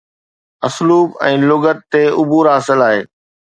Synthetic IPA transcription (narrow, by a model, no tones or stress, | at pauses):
ɐsluːbɛ̃ːlʊɡət̪t̪eʊbʱuːɾɦaːsɪlaːɦeː